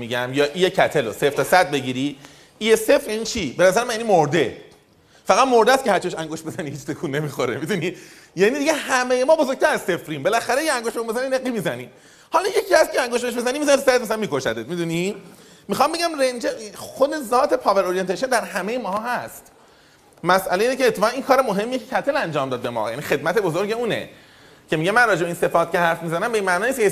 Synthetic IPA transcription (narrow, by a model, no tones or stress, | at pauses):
miɟæmjɒːʔiːjecʰæt̪ʰeloseft̪ʰɔsæd̪̚be̞ɟiɾi | iːjese̞fɾjænit͡ʃʰibe̞næzæɾemænjænimoɾd̪e̞ | fæɣæd̪moɾd̪æst̪cʰeæɾt͡ʃʰieʃæŋɡoʃt̪be̞zænihiːt͡ʃsekʰuːnːe̞mixoɾḛmid̪uni | jænid̪iɟehæmejemɒːbozok̚t̪æɾæzse̞fɾimbelæxæɾejʰeæŋɡoʃeumbezænineɣːimiːzæni | hɒlɒjecʰiːæst̪̚cʰeæŋɡoʃ̬beʃ̬bezænimizænit̪sæɾet̪mæsælænmiko̞ʃæ̰d̪et̪mid̪uni | mixɒmbe̞ɡɟæmrend͡ʒexod̪e̞zɒːt̪ʰe̞pʰɒːveɾoɾient̪ʰeʃond̪æɾɦæmejemɒːɦɒːhæst̪ | mæsʔæleiːnecʰeːt̪ʰːefːʁæniːnkʰɒːɾe̞moɦe̞mːijecʰecʰæt̪ʰelænd͡ʒɒːmd̪ɒːd̪̚be̞mɒ̰ːjæ̰nixe̞d̪̚mæt̪ʰe̞bozoɾɟe̞uːnḛ | cʰe̞miɟemænrɒːd͡ʒebeinse̞ft̪̚cʰe̞hæɾfmizænæmbe̞inmæʔnɒːniskʰe